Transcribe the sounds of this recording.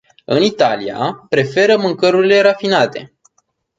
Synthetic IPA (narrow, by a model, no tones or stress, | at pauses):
ɨnit̪alia̰pɾe̞fe̞ɾəmɨŋkəɾuɾile̞ɾafinat̪e̞